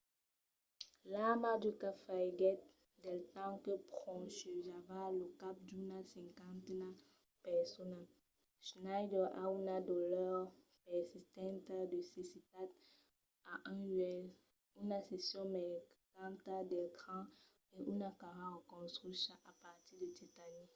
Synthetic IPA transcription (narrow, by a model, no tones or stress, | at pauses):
lamadekafaiɡɛt̪̚ | dɛlt̪ɑ̃kepχɔ̃ʃøʒavalokap̚dunasɛ̃ŋkãnt̪ena | pɛsona | ʃnajdɛʔa̰unadolœʁ | pɛsist̪ɛ̃ntadəsesit̪ad̪ | aʔɛ̃ʒɛl | ynasesjɔ̃mekãnt̪ad̪ɛlkχɑ̃ | eʔunakaʁãokɔ̃stʁysãʔapaʁt̪idet̪etani